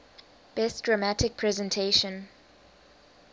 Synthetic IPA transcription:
b̥ɛsdɹamatɪk̚pʰɹɛzɛ̃ntʰeʃə̃n

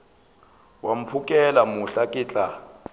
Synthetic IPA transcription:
wam̩pʰukʼɛlamuɬakʼɪːt͡ɬʼa

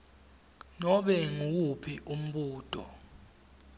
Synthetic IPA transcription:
nɔɓɛŋuw̬upʰiʔum̩ɓuːd̥ʱʼɔ̰

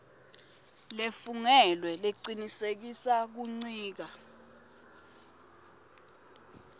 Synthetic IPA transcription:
lefuŋɛlwɛleǀinisek̬isak̬uŋ͡ǀiːk̬a

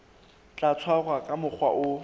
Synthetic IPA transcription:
t͡ɬʼat͡sʰwaɣwakʼamʊk͡xʰwaʔʊ

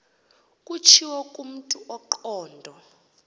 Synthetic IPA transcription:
kʼut͡ʃʰiwɔkʼum̩tʼuʔɔǃɔːndʱɔ

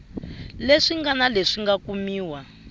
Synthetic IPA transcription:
leʂiŋɡanaleʂiŋɡakumiːwa

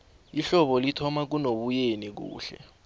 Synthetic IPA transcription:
iɬɔɓɔlitʰɔmak̬unoɓujenik̬ṵːɬɛ̰

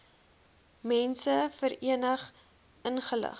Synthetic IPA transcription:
mɛnsəfəɾiənəχ | ənχələ̰χ

